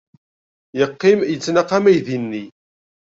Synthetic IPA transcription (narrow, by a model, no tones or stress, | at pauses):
jəqːimjət͡sːnaqamæjðinːi